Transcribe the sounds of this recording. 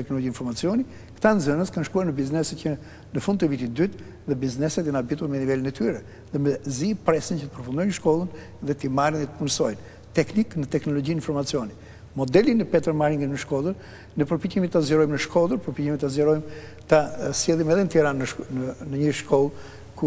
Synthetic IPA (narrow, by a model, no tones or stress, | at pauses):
ɛknɔlɔɟiinfɔɾmat͡siɔni | kt̪anzənəskanʃkuaɾnəbiznɛsɛt̪̚cə | nəfund̪t̪əvit̪it̪əd̪yt̪ | ðɛbiznɛsɛt̪anabit̪uɾmɛnivɛlinɛt̪yɾɛ | ðɛmɛzipɾɛsəncət̪ə̥pəɾfund̪ɔjnəʃkɔlˠən | ðɛt̪imaɾinət̪ə̥punsɔjn | t̪ɛkniknət̪ɛknɔlɔɟininfɔɾmat͡siɔni | mɔd̪ɛlinəpɛt̪ɛɾmaɾiŋɡənnəʃkɔlˠəɾ | nəpəɾpicimit̪ːazɛɾɔjmnəʃkʰɔlˠəɾpɔɾpicimit̪ːazɛɾɔjm | t̪asɛðˠimɛðɛnət̪ɛɾanːənənəɲəʃkʰɔlˠ | ku